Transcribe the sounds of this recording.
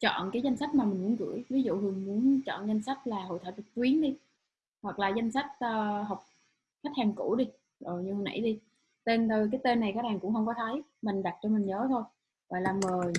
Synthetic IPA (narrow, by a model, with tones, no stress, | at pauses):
t͡ɕɔ̰˧˨nkaː˨˦jza˧jŋ̟sa˦˥k̟̚maː˨˩mï˨˩ŋ̟mu˨˦ənɣɨ̰˧˩˥əjvi˨˦zṵ˧˨hɨ˨˩˨ŋmu˨˦ənt͡ɕɔ̰˧˨nza˧jŋ̟sa˦˥k̚laː˨˩ɦo̰˧˨jt̪ʰəː˧˩wt̪ɨ˨˩t̪wi˨˦ənɗi˧ | hwa˨˩k̚laː˨˩za˧jŋ̟sa˦˥jkt̟̚əː˧ɦa˨˩wk͡p̚ | xa˦˥k̚haː˨˩ŋkṵ˧˩˥ɗi˧ | zo˨˩jɲɨ˧˨˩nʔa̰˧˥˦jɗi˧ | t̪e˧nɗ̪o˧jk̬aː˨˦jt̪e˧nːa˨˩jkaː˦˥k̚ɗaː˨˩ŋkʊ̰˧˥ŋ͡mxə˧wŋ͡mkɔ˨˦t̪ʰə˨˦jmï˨˩ŋ̟ɗa˨˩t̚t͡ɕɔ˧mï˨˩ŋ̟ɲəː˨˦t̪ʰo˧j | ɣɔ̰˧˨jlaː˨˩məː˨˩